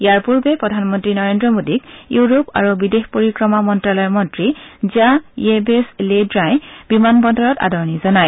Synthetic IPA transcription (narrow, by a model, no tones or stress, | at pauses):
jaɹpuɹbɛpɹɔdʱanmɔntɹinɔɹendɹɔmodikjuɹopa̰ɹubidexpoɹikɹɔmamɔntɹalɔjmɔntɹizajebesledɹãjbimanbɔndɔɹɔta̰dɔɹnizɔnaj